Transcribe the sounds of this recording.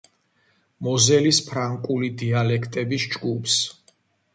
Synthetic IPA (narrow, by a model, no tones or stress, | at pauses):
mɔzɛlispʰɾaŋkʼulid̪ialɛkʰt̪ʼɛbisd͡ʒɡupʰs